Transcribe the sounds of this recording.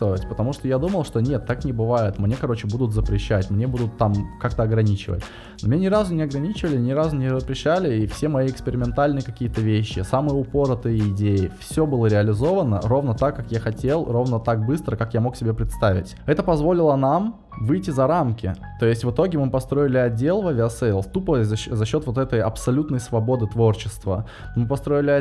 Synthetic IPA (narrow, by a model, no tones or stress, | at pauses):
ovʲɪtʲpə̥t̪ɐmuʂt̪ojad̪uməlˠʂt̪onʲet̪ːaknʲɪbɨvajɪt̪mnʲe̞kɐɾo̞t͡ɕɪbud̪ʊt̪zəpɾʲɪɕːætʲmnʲe̞bud̪ʊt̪ːamkak̚t̪əɐɡɾɐnʲit͡ɕɪ̰və̰tʲ | nomʲɪnʲenʲɪɾazʊnʲɪɐɡɾɐnʲit͡ɕɪvəlʲɪnʲɪɾazʊnʲɪzəpɾʲɪɕːælʲɪifsʲe̞mɐjiɪkspʲɪɾʲɪmʲɪnt̪alʲnɨjəkɐkʲijət̪əvʲeɕːɪ̰samɨjəʊpo̞ɾət̪əjiɪdʲejɪfsʲobɨlˠəɾʲɪɐlʲɪzo̞vənə̰ro̞vnət̪akːakjaxɐtʲe̞lˠro̞vnət̪ak̚bɨst̪ɾəkakjamo̞ksʲɪbʲepɾʲɪt̪st̪avʲɪ̰tʲɛt̪əpɐzvo̞lʲɪlˠənam | vɨjtʲːɪzɐɾamkʲɪ̰t̪o̞jɪsʲtʲvɨt̪o̞ɡʲɪmɨpɐst̪ɾo̞ɪlʲɪɐdʲːe̞lˠvɐvʲɪɐsɛlˠt̪upəzɐzɐɕːo̞t̪vo̞t̪ɛt̪əjɐpsɐlʲut̪nəjsvɐbo̞d̪ɨt̪vo̞rt͡ɕɪst̪və̰ | mɨpɐst̪ɾo̞ɪlʲɪ